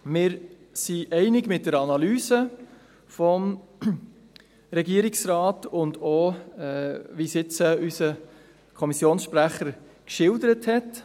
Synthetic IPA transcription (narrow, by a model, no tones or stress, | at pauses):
mɪːɾ | siʔɛɪnɪɡmɪt̚dəɾɑnɑlyːsə | fɔm | ɾɛɡiəɾɪksɾɑːtʊndoɛʋisɪt͡səysə | kʰɔmisjoːnsʃpɾæχəɾ | kʃɪldəɾəthɛt